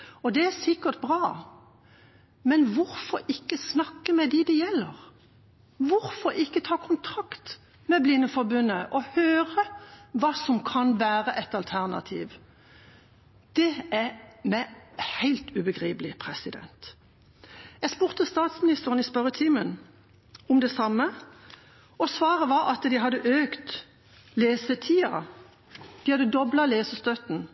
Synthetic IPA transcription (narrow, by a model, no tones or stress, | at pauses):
ɔd̪ɛæʁsɪkəʁt̪̚bʁɑː | mɛnʋʊɾfɔɾɪkːəsnɑkːəmɛd̪ɛd̪ɛjɛlːəʁ | ʋʊɾfɔɾɪkːət̪ʰɑːkʰʊnt̪ʰɾɑkt̪ | mɛblɪnːəfɔɾbʉnːəʔɔhøːʁəʋɑːsɔmkʰɑnʋæːʁəʔɛt̪ɑlt̪ʰæʁnɑ̰t̪ʰḭːʋ | d̪̥ɛæmæhæɪlt̪ʉːbəɡʁiːpəlɪpʰʁɛsɪd̪ɛ̰nt̪ | jɛɡspuːʁt̪əst̪ɑːt̪smɪnɪst̪əʁənɪspœʁət̪ʰiːmən | ɔmd̪ɛsɑmːə | ɔsʋɑːʁəʋɑɾɑt̪d̪ɪɦɑd̪ːəʔøːkt̪ | leːsət̪ʰiːɑ̰ | d̪̥ɪhɑd̪əd̪ɔblɑleːsəst̪œt̪n̩